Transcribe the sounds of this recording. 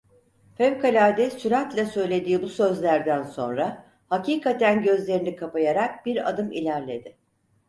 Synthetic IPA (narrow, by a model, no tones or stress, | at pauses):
fɛvkʰalʲad̪ɛsyɾat̪lʲasø̞jlʲe̞d̪iːbusø̞zlʲæɾd̪ænso̞̰nɾa | haciːkʰat̪ʰænɟø̞zlʲe̞ɾinikʰapajaɾak̚b̥iɾa̰d̪ɯmḭlʲæɾlʲe̞d̪ɪ